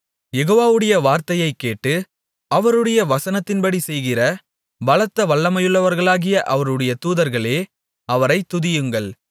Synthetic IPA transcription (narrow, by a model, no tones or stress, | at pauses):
jɛɣoːʋaːʋɯɽɐjɐʋaːɾt̪ɐjɐɪkːeːʈːɯ | ɐʋɐɾɯɽɐjɐʋɐsɐnɐt̪ːɪnpɐɽisɛjɣɪrɐ | bɐɭɐt̪ːɐʋɐɭːɐmɐjɯɭːɐʋɐɾɣɐɭaːɣɪjɐʔɐʋɐɾɯɽɐjɐt̪uːðɐɾɣɐɭeː | ɐʋɐɾɐɪt̪ːʊðɪjɯŋɡɐɭ